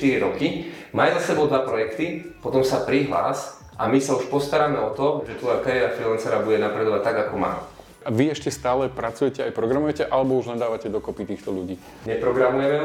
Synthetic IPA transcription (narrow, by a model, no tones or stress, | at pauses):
t̪iɾiɾɔkimaːjzasɛbɔʊd̪ʋapɾɔjɛkt̪ipɔt̪ɔmsapɾiɦla̰ːs | ʔamisauʃpɔst̪aɾaːmɛɔt̪ɔʒɛt̪ʋɔjakaɾɛɾafɾilant͡sɛɾabuɟɛnapɾɛd̪ɔʋac̚t̪aɡakɔma̰ː | aʋiɛʃcɛst̪aːlɛpɾat͡sujɛcɛajpɾɔɡɾamujɛcɛʔalɛbɔuʒɲad̪aːʋacɛd̪ɔkɔpit̪iːxt̪ɔʎuɟiː | ɲɛpɾɔɡɾamujɛmɛ